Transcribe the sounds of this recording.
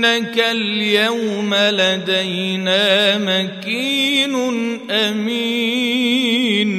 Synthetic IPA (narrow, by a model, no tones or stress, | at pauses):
nakaljawmalad̪ajnaːmakiːnnʔamiː | n